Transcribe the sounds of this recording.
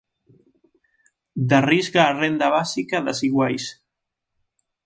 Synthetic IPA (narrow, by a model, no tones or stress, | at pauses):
d̪arizɣaːrend̪aβasikaðasiɣwajs